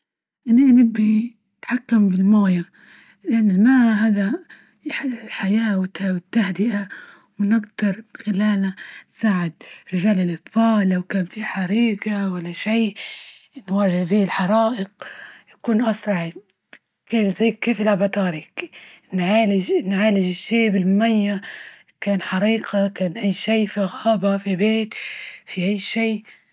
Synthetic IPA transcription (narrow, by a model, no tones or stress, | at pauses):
ʔɪnːiʔnɪbːi | t̪ħakːambɪlmaːja | lɪʔanːɪlmaʕaɦaːd̪a | jħaɪlħajaːwɪt̪awɪt̪ːahd̪ɪʔa | wnɪɡd̪ɑɾˤɪxɪlaːlnansaːʕɪd̪̚ɾɪʒaːlɪlʔɨt̪ˤfɑːlːawkaːmfiħaɾiːɡawalːaʃiːʔ | nwaːʒɪhfiːɪlħɑɾˤɑːʔɪqjakuːnʔɑsɾˤɑʕi | keːfzaːkkːeːfɪlabɑt̪ɑːɾɪk | nʕaːlɪʒnʕaːlɪʒɪʃːiːbɪlmʊmajːa | kaːnħɑɾiːqakaːnʔajːʃiːfiɣaːbafibeːt̪fiʔajːʃiː